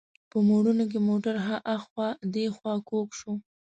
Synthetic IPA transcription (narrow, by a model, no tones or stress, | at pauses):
pəmoɽunok̬emoʈaɾɦaʔaxxwɑd̪exwɑkokʃo